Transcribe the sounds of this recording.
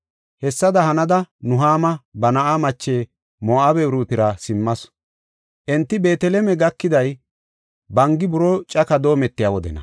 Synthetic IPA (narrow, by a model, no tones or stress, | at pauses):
hɛsːɐd̪ɐhɐnɐd̪ɐnʊɦaːmɐbɐnɐʔamɐt͡ʃːe̞ː | moːɐbɛwɾuːt̪ɪɾɐsɪmːɐs | ʔɛnt̪ːɪbe̞ːt̪ɛlɛmɛɡɐkːɪd̪ɐj | bɐŋɡɪbʊɾɔt͡ʃʼɐkɐd̪o̞ːmɛt̪ːɪjawɔd̪ɛ̰nɐ̰